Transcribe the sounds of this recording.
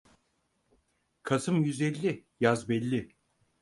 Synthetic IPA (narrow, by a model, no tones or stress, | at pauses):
kʰasɯmjyzɛlʲːɪjazbɛlʲːɪ